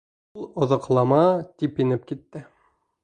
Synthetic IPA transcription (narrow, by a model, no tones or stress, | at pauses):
ulˠŏðŏqlˠɑmɑt̪ipinɘp̚kit̪ːɘ